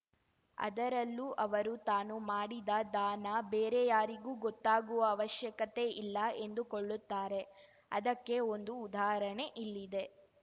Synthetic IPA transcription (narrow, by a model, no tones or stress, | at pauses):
ɐ̰d̪ɐɾɐlːuːʔɐʋɐɾut̪aːnumaːɽid̪ɐd̪aːnɐbeːɾejaːɾiɡuːɡɔt̪ːaːɡuʋɐːʋɐʃjɐkɐt̪e̞ilːɐe̞nd̪ukoɭːut̪ːaːɾe̞ | ɐ̰d̪ɐkːe̞ond̪uːd̪aːɦɾɐɳe̞ʔilːid̪e̞